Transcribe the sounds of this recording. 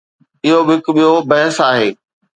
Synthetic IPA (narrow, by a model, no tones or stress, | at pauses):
ɪɦobɦɪkɓijobɐɦɪsaːɦeː